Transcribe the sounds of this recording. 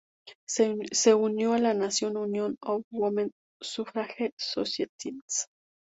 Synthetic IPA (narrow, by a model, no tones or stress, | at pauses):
seunjualanasjonunjonowomen | sufɾaxesosjet̪ʰit͡s